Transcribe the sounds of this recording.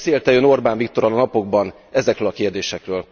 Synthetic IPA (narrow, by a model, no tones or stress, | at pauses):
seːlt̪ɛøːno̞rbaːɱvik̚t̪o̞ɾɒlɒnɒpo̞ɡ̚bɒn | ɛzɛkrøːlɒkeːrd̪eːʃɛkrøːl